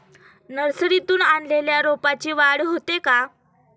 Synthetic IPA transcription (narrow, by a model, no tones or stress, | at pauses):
nəɾsɾit̪uːnanleljaɾopat͡ɕiːʋaɽɦot̪eka